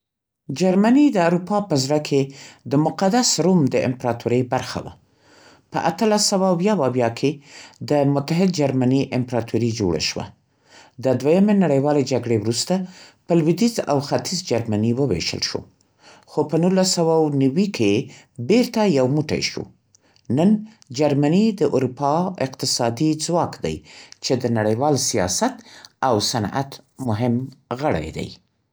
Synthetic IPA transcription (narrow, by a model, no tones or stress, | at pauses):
d͡ʒaɾmanid̪əawɾupɑpəzɾakʰed̪əmʊqad̪asɾumd̪əʔɪ̰mpɾɑt̪ʰuɾəjbaɾxa̰wa̰ | pə̰ʔat̪əlasːawawjɑwawjɑkʰed̪əmʊt̪aɦɪd̪̚d͡ʒaɾmaniʔɪmpɾɑt̪ʰuɾid͡ʒo̰ɽa̰ʃwa̰ | d̪əd̪wajamenaɽəjwɑled͡ʒaɡɽewɾust̪apəlwid̪iza̰wxat̪izd͡ʒaɾmaniwəwḛʃə̰lʃo̰ | xopənulːasawawnawikʰe | beɾt̪ajawmuʈa̰jʃṵ | nən | d͡ʒaɾmanid̪əʔuɾupɑɪqt̪ɪsɑd̪id͡zwɑkd̪a̰jt͡ʃed̪ənaɽajwɑlsijɑ̰sat̪awsana̰t̪mʊɦɪmɣəɽa̰jd̪a̰j